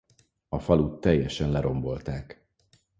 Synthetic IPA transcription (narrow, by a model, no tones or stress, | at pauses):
ɒfɒlut̪ːɛjːɛʃɛnlɛɾo̞mbo̞lt̪aːk